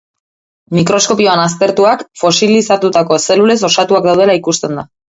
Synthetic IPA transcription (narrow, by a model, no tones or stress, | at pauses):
mikɾo̞sko̞pio̞anas̬t̪e̞ɾt̪uakfo̞silisat̪ut̪ako̞se̞lule̞so̞sat̪uak̚d̪awð̞e̞laikust̪e̞nd̪a